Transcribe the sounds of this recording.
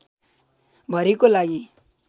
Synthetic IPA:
bʱʌɾekolaɡi

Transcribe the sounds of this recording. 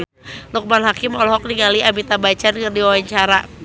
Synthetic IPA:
luk̚manɦakɪmɔlɔɦɔk̚niŋaliʔabit̪abat͡ʃankɨrdiwawaɲt͡ʃaɾa

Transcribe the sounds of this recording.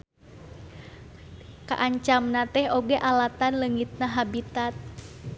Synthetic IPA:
ka̰ʔaɲt͡ʃamnat̪ɛhoɡɛʔalat̪anləŋit̪̚naɦabit̪at̪̚

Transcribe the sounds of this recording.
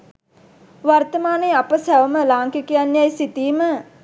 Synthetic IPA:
ʋart̪əmaːneapəsæʋəməlaːŋkikijanjajsit̪iːmə

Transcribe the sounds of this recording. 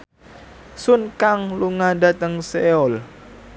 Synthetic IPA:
sʊnkaŋluŋada̤t̪əŋseɔl

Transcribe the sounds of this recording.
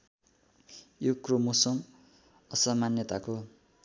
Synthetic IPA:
jokromosʌm | ʌsʌmanjʌt̪ako

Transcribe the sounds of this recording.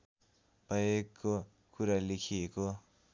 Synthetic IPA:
pʌjekːo | kuɾalekʰieko

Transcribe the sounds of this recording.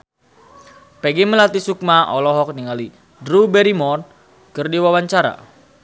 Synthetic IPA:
pɛɡeməlat̪isuk̚maʔɔlɔɦɔk̚niŋali | dɾubɛɾimɔr | kərdiwawaɲt͡ʃaɾa̰

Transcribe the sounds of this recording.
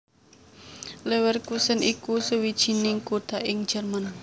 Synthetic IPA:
lɛwɛrkusənʔikusəwid̥ʒ̥i̤nɪŋkut̪aʔɪŋ̥ʒ̥ərman

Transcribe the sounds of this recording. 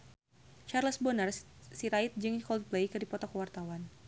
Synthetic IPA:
t͡ʃarləsbɔnərsiɾait̪̚d͡ʒɨŋkɔl̚plejkɨdipɔt̪ɔkəwart̪awan

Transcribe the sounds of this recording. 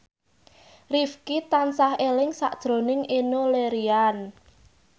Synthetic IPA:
rifkit̪ansahelɪŋsa̰ʔd̥ʒ̥ɾo̤nɪŋenoleɾian

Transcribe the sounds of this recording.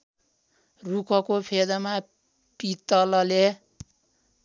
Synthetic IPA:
rukʌkopʰed̪ʌma | pit̪ʌlʌle

